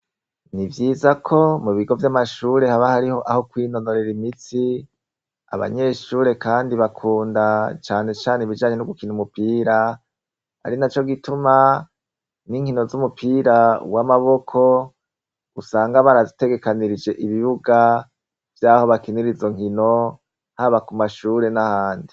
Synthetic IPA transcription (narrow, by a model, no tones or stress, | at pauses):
nivjiːzakʰo̞muβiɡo̞vjamaʃuːɾe̞haβahaɾiho̞ʔaho̞kwiːno̞no̞ɾeɾimit͡si | a̰βa̰ɲe̞ʃuːɾe̞kaːndiβakʰuːndat͡ʃaːne̞t͡ʃaːneiβid͡ʒaːɲe̞nuɡukinumupiːɾa | ha̰ɾinat͡ʃo̞ɡituma | niŋ̥hino̞zumupʰiːɾa̰wamaβo̞kʰo̞ | usaːŋɡaβaɾazite̞ɡe̞kaniɾid͡ʒe̞ʔiβiβuɡa | vjaːho̞βakiniɾizo̞ŋ̥hino̞ | haβakumaʃuːɾe̞nahaːndi